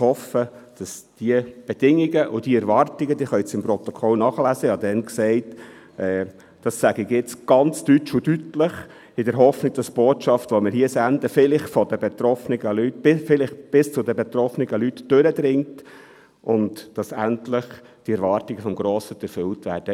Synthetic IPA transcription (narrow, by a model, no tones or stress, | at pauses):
hɔfəd̥ɑsd̥iəb̥ɛd̥ɪŋiɡəʔʊd̥iɛɾvɑːrtiɡədiːχœʏt͡sɪmprɔt̪ɔkʰɔlnɑχəlæzəhɑd̪ɛnksɛɪt | ʔɛː | d̥ɑsːæɡɪɡɪt͡sɡ̥ɑnt͡stytt͡ʃʊdytləχ | ɪdəɾɦɔfnɪɡ̚d̥ɑsb̥oːtʃɑftʋɔməɾɦiəsænd̪əfɪlɪχfɔdəbɛt̪ɾɔfnɪɡəlytɪfɪlɪχb̥ɪst͡sʊd̪əbɛt̪ɾɔfnɪɡəlytd̥øɾəd̪ɾɪŋt | ʔʊntd̥ɑsæntlɪχ | d̥iɛɾvɑːrtɪɡəfɔmɡɾoːsət͡sɛɾfʏltʋæːɾd̥ə